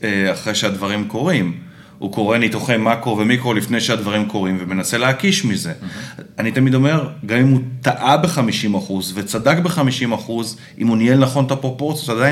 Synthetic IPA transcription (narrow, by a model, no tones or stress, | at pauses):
eaχʁejʃead̪vaʁimko̞ʁim | uko̞ʁe̞nit̪oχemakʁo̞vemikʁo̞lifne̞jʃead̪vaʁimko̞ʁimvemenase̞leakiʃmize̞anit̪amid̪o̞me̞ʁɡamimut̪aʔabeχamiʃimaχuzvet͡sadakbeχamiʃimaχuz | ʔimunielnaχo̞nt̪apʁo̞po̞ʁtt͡sijot̪ad̪aj